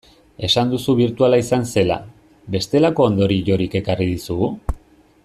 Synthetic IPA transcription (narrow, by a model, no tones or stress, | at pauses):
e̞sand̪usuβ̞iɾt̪ualaisanse̞la̰ | βe̞st̪e̞lako̞ːnd̪o̞ɾiʝo̞ɾike̞karið̞isuɣu